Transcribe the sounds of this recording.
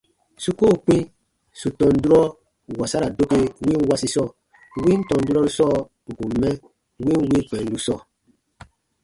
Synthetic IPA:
su˦ko˦˨k͡pĩ˦ | su˨tɔ̃˨n˦du˦ɾɔ˦ | wa˨sa˦ɾa˨do˦ke˦wĩ˦n˦wa˦si˦sɔ˦˨ | wĩ˦n̩˦tɔ̃˨n˦du˦ɾɔ˦ɾu˦sɔ˦˨ | u˨ku˨mɛ˦ | wĩ˦nwĩ˦k͡pɛ̃˨n̩˦du˦sɔ˦˨

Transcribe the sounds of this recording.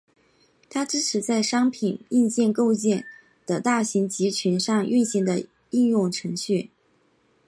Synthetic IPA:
t̪ʰa˥ʈ͡ʂɻ̩˥ʈ͡ʂʰɻ̩˧˥t͡sa˥˩ɪʂɑ˥ŋpʰi˨˩ni˥˧nt͡ɕjɛ˥˧nko˥˧ʊt͡ɕjɛ˥˩n | d̪̥ə˩t̪a˥˩ɕi˧˥ŋt͡ɕi˧˥t͡ɕʰy˧˥nʂɑ˥˧ŋy˥˩nɕi˧˥ŋd̪ə˧ | i˥˧njʊ˥˩ŋʈ͡ʂʰɤ˧˥ŋɕy˥˩

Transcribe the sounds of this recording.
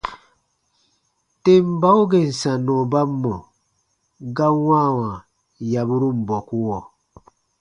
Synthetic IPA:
te˦m˦ba˦u˦ɡe˨n̩˨sã˨nɔ˨ba˦mːɔ˨ | ɡa˦wã˦˨wã˨ | ja˨bu˦ɾu˦m̩˨bɔ˨ku˦wɔ˨

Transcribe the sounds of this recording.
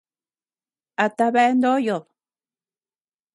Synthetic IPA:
a˨t̪aβa˦e˦nd̪o˦jo˨ð

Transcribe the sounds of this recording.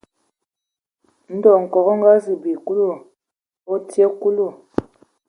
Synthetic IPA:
n̩˦dɔ˨ŋ̩˨kɔ˨ɣɔ˦ŋ˦ɡa˦zi˨bi˨ku˦lo˨ | ɔ˦tje˦ku˦lo˨

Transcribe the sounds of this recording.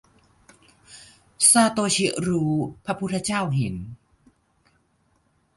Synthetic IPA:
saː˧t̪oː˧t͡ɕʰi˦˥ʔɾuː˧pʰɾa˦˥pʰu˥t̪ʰːa˧t͡ɕaː˥˩wɦe˩˦n

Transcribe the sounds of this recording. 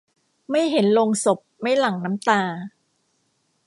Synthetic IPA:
ma˥˩jɦe˨˩˦nlo˧ŋso˨˩p̚ma˥˩jla˨˩ŋna˦˥mt̪aː˧

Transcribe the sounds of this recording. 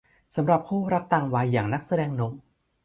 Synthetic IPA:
sa˩˦mɾa˨˩p̚kʰuː˥˩ɾa˦˥k̚t̪aː˧˩ŋwaː˧jːaː˨˩ŋna˦˥k̚sa˧dɛː˧ŋno˨˦˥m

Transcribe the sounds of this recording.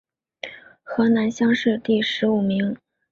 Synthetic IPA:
xɤ˧˥na˧˥nɕjɑ˥ŋʂɻ̩˥˧t̪i˥˩ʂɻ̩˧˥u˨˩mi˧˥ŋ

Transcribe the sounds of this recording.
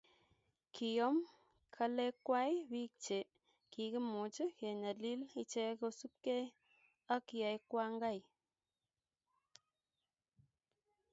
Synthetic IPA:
kʰi˨jɔ˦m | kʰa˦lɛ˦kwa˦jwi˦k̚t͡ʃe˨ | ki˨ki˦mu˨t͡ʃə˦ke˨na˨li˦li˨t͡ʃɛ˦ko˧su˦p̚ke˦ | a˦kja˨jkwa˦ŋɡa˦˨j

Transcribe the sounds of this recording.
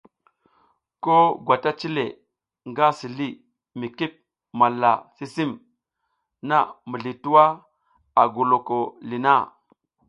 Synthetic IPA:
ko˦ɡʷwa˨ta˦t͡ʃi˦le˨ | ŋɡa˦si˨li˦ | mi˨ki˦p̚ | ma˨lːa˨si˦si˦m | na˦˨mə˨ɮi˨tu˦wa˦ | a˨ɡu˨lo˨ko˨li˨na˦˨

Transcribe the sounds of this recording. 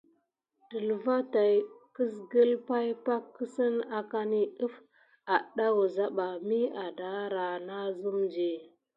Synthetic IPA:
tə˨lva˦ta˨jkə˦s̬ɡə˦lpa˦jpa˦kːə˦sə˦na˨ka˦ni˦ə˦f | a˨ɗa˦wu˨za˦ɓa˨mi˦a˨da˨˦ɾa˨na˦zu˦md͡ʒi˨

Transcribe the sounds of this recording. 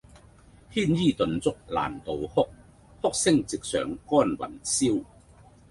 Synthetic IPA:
hiː˥njiː˥t̪ɵ˨nt͡sʊ˥k̚la̰ː˨˩nt̪o˨whʊ˥k̚ | hʊ˥k̚sɪ˥ŋt͡sɪ˨k̚sœ̰ː˨ŋkɔː˥nwɐ̰˨˩nsiː˥w

